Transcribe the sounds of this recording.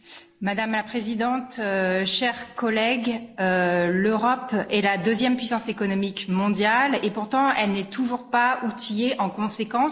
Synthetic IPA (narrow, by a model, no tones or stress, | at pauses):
mad̪amlapχezid̪ɑ̃t̪øʃɛʁkɔlɛɡøløʁɔpɛlad̪øzjɛmpɥisɑ̃sekɔnɔmikmɔ̃d̪jalepuʁt̪ɑ̃ʔɛlnɛt̪ʰuʒuʁpaut̪ijeʔɑ̃kɔ̃sekɑ̃s